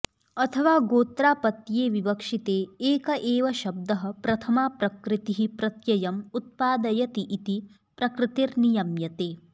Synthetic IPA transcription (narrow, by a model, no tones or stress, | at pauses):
ɐt̪ʰɐʋaːɡoːt̪ɾaːpɐt̪jeːʋibɐkʂit̪eːeːkɐʔeːʋɐʃɐb̚d̪ɐɦɐ̆pɾɐt̪ʰɐmaːpɾɐkɾɪt̪iɦipɾɐt̪jɐjɐmut̪̚paːd̪ɐjɐt̪iʔit̪i | pɾɐkɾɪt̪iɾnijɐmjɐt̪eː